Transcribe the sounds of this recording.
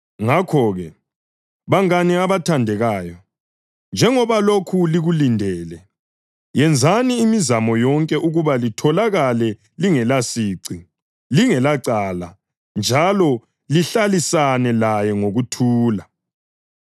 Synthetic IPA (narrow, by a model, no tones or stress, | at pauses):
ŋakʰɔːɣɛ | βaŋaniaβatʰandʱɛɣaːjɔ | nd͡ʒʱɛŋɔβalokʰuliɣulindʱɛːlɛ | jɛnd͡zʱaniːmizamɔjɔŋkʼɛʔuɣuβalitʰɔlaɣalɛ | liŋɛlasiːǀi | liŋɛlaǀaːla̰ | nd͡ʒʱalɔ | liɬalisanɛlajɛŋoɣutʰuːla